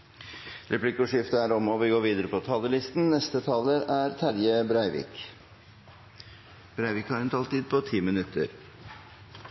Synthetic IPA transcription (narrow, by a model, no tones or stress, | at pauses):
ɾɛpʰlɪkʊʂɪft̪əæːɾɔmɔʋɪɡoːɾʋiːd̪əɾəpʰɔt̪ʰɑːləlɪst̪n̩nɛst̪ət̪ʰɑːləɾæːɾt̪ʰæɾjəbɾæɪʋɪ̰ːk | b̥ɾæɪʋɪkhɑːɾɛnt̪ʰɑlt̪iːd̪̚pʰɔt̪ʰiːmɪnʉt̪ʰə̰ɾ